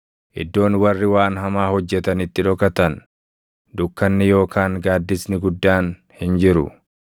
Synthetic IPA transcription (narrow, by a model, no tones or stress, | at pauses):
ʔɪ̰d̪ːo̞ːnwɐrːɪwaːnɦɐmaːhɔd͡ʒːɛt̪ɐnɪt̪ːɪᶑɔkɐt̪ɐn | d̪ʊkːɐnːɪjo̞ːkʰaːŋɡaːd̪ːɪsnɪɡʊd̪ːaːn | hɪnd͡ʒɪɾʊ̰